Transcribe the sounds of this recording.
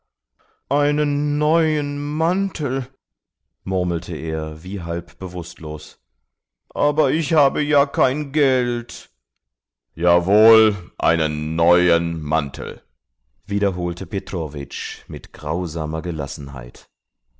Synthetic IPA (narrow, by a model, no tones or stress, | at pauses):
ʔaɪnənːɔʏənmantʰl̩ | mʊɐml̩tʰəʔeːɐviːɦalpb̥əvʊstloːs | ʔaːbɐɪçhaːbəjaːkʰaɪnɡɛlt | jaːvoːlʔa̰ɪnənːɔʏənma̰ntʰl̩ | viːɾɐɦoːltʰəpʰetʁ̥oːvɪ̰t͡ʃmɪtɡ̥ʁaʊzaːmɐɡəla̰sn̩ɦa̰ɪt